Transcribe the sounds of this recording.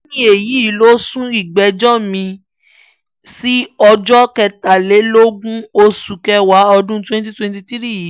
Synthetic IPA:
nĩ˧e˨ji˨˦˨lo˦sũ˦i˨ɡ͡bɛ˨d͡ʒɔ˦mĩ˧ | si˦ɔ˧d͡ʒɔ˦kɛ˧˨ta˨le˨˦lo˦ɡũ˦o˧su˨kɛ˧wa˨˦ɔ˧dũ˦twɛ̃˦n˦t̬i˦twɛ̃˧nti˧tɾi˦˨˦

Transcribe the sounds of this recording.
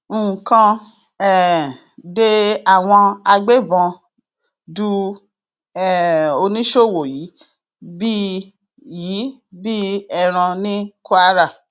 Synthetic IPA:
kã˧ | ɛ˨ | de˧a˦˨w̃ɔ̃˧a˧ɡ͡be˦bɔ̃˧ | du˧ | ɛ˦˨o˧nĩ˦ʃo˦˨wo˨ji˨˦ | bi˦ | ji˨˦bi˦ɛ˧ɾ̃ã˧nĩ˦ko˦a˦ɾa˦˨

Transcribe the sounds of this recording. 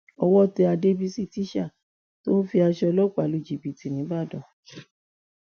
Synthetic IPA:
ɔ˧wɔ˦tɛ˧a˧de˦bi˦si˦˨ti˨˦ʃa˦˨ | to˦fi˧a˧ʃɔ˧lɔ˦k͡pa˨lu˧˨d͡ʒi˨bi˨ti˨nĩ˨˦ba˦˨dɔ̃˨

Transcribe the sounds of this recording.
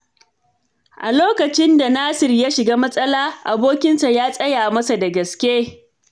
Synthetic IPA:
ʔa˨loː˦kɐ˨t͡ʃɪ˦nda˨naː˦sɪ˨rjaː˦ʃɪ˨ɡaː˦mɐ˦sʼɐ˦laː˦ʔa˨boː˦kʲɪ˦nsa˨jaː˦sʼɐ˦jaː˨mɐ˦sa˨da˨ɡɐ˨skʲeː˦

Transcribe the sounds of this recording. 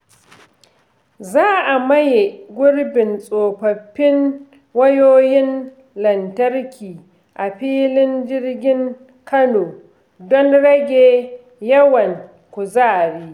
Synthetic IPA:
zaː˦ʔa˨mɐ˦je˨ɡʷʊ˦ɽbɪ˨nsʼoː˨ɸɐ˨ɸːɪ˦ŋ | wɐ˦joː˦jɪ˦n | lɐ˨ntɐ˦rkʲʰiː˨ | ʔa˨ɸiː˦lɪ˦nd͡ʒɪ˦rɡʲɪ˦ŋ | kʰɐ˦noː˨ | dɔ˦nɽɐ˦ɡʲeː˨ | jɐ˦wɐ˨ŋ | kʷʊ˨zaː˦˨ɾiː˦

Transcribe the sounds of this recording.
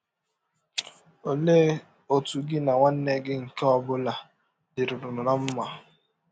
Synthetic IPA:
o˨le˦ | o˨tu˨ɡɪ˦na˨ŋʷa˦n̩˦ne˦ɡɪ˦ŋ̩˨ke˦ɔ˦bʊ˦la˨ | dɪ˨ɾʊ˨dʊ˨nʊ˨na˦m̩˦ma˨

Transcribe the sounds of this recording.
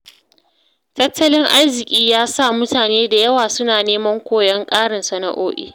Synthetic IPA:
tɐ˦tʰːɐ˦lɪ˦ŋʔa˦rzɪ˨kʲʼiː˦jaː˦sa˦˨mʊ˦taː˨neː˦da˨jɐ˦waː˨sʊ˦naː˨neː˦mɐ˦ŋkʷoː˦˨jɐ˦ŋkʼaː˦ɽɐ˨nsɐ˨nɐ̰˨ʔoː˦ʔḭː˦˨

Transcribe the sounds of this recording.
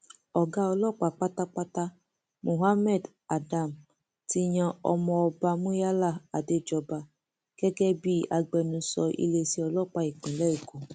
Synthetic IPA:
ɔ˨ɡa˧˦ɔ˧lɔ˦˨k͡pa˨k͡pa˦ta˦k͡pa˦ta˦ | mo˨ɦa˦mɛ˦˨d | a˨da˨m | ti˧ɲã˧ɔ̰˧mɔ̃˧ɔ˧ba˧mũ˦ja˦la˦˨a˨de˧d͡ʒɔ˧ba˧ | ɡ̥ɛ˦ɡɛ˦bi˦a˧ɡ͡bɛ˧nũ˧sɔ̰˧ʔḭ˧le˧si˦ɔ˧lɔ˦˨k͡pa˧i˨k͡pĩ˨lɛ˦i˨ko˨

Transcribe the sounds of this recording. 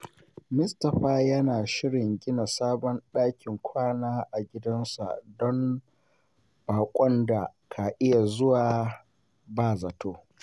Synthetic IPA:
mʊ˦stɐ˨ɸaː˦jɐ˦naː˨ʃɪ˦ɽɪ˨ŋɡʲɪ˦na˨saː˦bɔ˦nɗaː˦kʲɪ˨ŋkʷaː˦naː˦ʔa˨ɡʲɪ˦dɐ˦nsa̰˨dɔ˦m | b̥aː˨kʷʼɔ˦nda˨kʰa˨ʔɪ˦ja˨zʊ˦waː˨ | baː˦˨za˨toː˦

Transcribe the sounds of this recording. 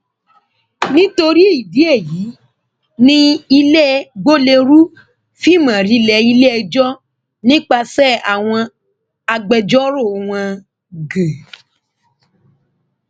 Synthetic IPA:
nĩ˦to˧ɾi˦i˦˨bi˨˦e˦˨ji˨˦ | nĩ˦i˧lɛ˦ɡ͡bo˦le˧ɾu˦ | fi˦˨mã˨ɾi˨˧˦lɛ˨˦i˧le˦ɛ˧d͡ʒɔ˦ | nĩ˦k͡pa˧sɛ˦˨a˨w̃ɔ̃˧ | a˧ɡ͡bɛ˨d͡ʒɔ˦ɾo˦˨w̃ã˧ | ɡe˨

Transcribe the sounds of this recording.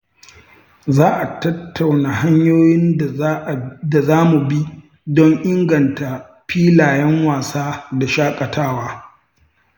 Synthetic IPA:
zaː˦ʔa˨tɐ˦tʰːa˨wnaː˨ɦa˦ɲjoː˦jɪ˦n˨ | da˨zaː˦mu˨bi˦ | dɔ˦ŋʔɪ˦ŋɡɐ˨nta˨ | ɸiː˦laː˨jɛ˦ŋwaː˨saː˦da˨ʃaː˦kʼɐ˨tʰaː˦waː˦

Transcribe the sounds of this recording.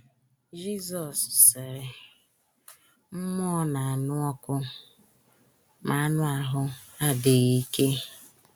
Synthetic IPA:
d͡ʒi˦zɔ˨ssɪ˨ɾɪ˨ | m̩˦mʊ˦ɔ˦na˨a˨nʊ˦ɔ˦kʷʊ˦ | ma˨a˦nʊ˦a˨ɦʊ˦a˦dɪ˨ɣi˦ke˦

